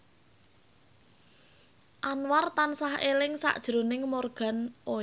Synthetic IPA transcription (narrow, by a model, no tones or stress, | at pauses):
ʔanwart̪ansahʔelɪŋsa̰ʔd̥ʒ̥ɾonɪŋmorɡ̥a̤nʔo